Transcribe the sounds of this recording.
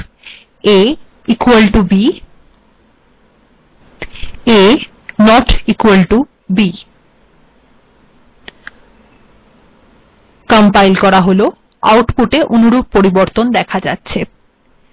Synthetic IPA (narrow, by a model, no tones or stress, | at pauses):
e | ikuelʈubi | e | nɔʈikuelʈu | bi | kɔmpajlkɔɾaɦolo | a̰wʈpuʈeʔonuɾub̚poɾiboɾt̪ond̪ɛkʰad͡ʑa̰tːɕʰe